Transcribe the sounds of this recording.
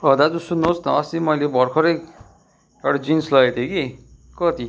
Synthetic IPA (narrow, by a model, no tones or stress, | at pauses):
ʌd̪ad͡zusunːosnʌːsimʌjlebʱʌɾkʰɔɾej | eɽad͡zinslʌet̪ʰjeɡi | kʌt̪i